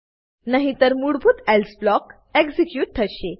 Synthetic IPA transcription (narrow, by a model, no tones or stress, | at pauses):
naɦit̪əɾmuɽbʱuːt̪ɛlsblɔk | eɡsikjuːʈ̚t̪ʰəɕe